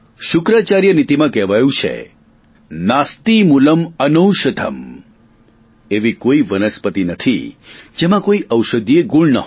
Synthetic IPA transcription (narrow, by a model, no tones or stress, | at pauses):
ʃʊkɾat͡ʃaɾjənit̪imãkɛʋajũt͡ʃʰḛ | nast̪imuləmənəwʃəd̪ʱə̰m | eʋikoiʋənəspət̪inət̪ʰḭd͡ʒemãkoiʔəwʃəd̪ijeɡuɭnəɦ